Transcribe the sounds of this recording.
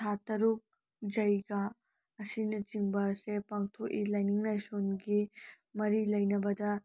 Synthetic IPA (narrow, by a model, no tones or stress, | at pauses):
tʰat̪ɐɾuk̚ | d͡ʒɐjɡa | ɐsind͡ʒiŋbɐsepɐŋt̪ʰoʔilajniŋnajsonɡi | mɐɾilɐjnɐbɐd̪ɐ